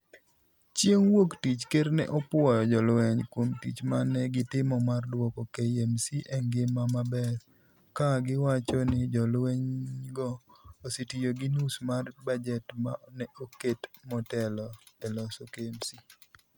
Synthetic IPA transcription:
t͡ʃjeŋwoktit͡ʃkeɾnɛ̰ʔɔpwɔjɔd͡ʒɔlwɛɲkwomtḭt͡ʃmanɛɡɪtɪmɔmardwɔkɔkejemsiʔɛŋɡɪmamabɛɾ | kaɡɪwat͡ʃɔnɪd͡ʒɔlwɛɲɡɔositijoɡɪnusmarbad͡ʒɛtmanɛoketmɔtɛlɔɛlɔsokeemsi

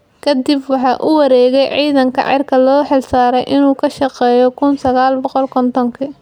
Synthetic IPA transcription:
kʰɐd̪ibwɑħɑːʔʊwɑɾɛːɣɛjʕiːðɐŋkʰɐ̰ʕɪ̰rkʰɐlɔːħɪlsaːɾɛjʔɪnuːkʰɐʃɑqɛːjɔkʰʊnsɐɣaːlbɔqɔlkʰɔnt̪ʰɔŋkʰi

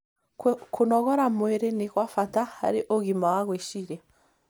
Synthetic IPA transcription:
kʰonɔɣɔɾamweɾeniɣwafataha̰ɾiʔoɣimawaɣweʃiɾɛ

